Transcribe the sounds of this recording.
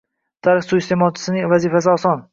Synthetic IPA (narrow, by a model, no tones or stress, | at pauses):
t̪ʰaɾɪχsust̪emɒt͡ʃʰɪ̥sɪnɪŋvazifas̬ɪɒsɒn